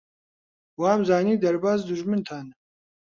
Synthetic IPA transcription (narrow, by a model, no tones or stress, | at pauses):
waːmzaːniːd̪ɐɾbaːzd̪uʒmɨnt̪ʰaːn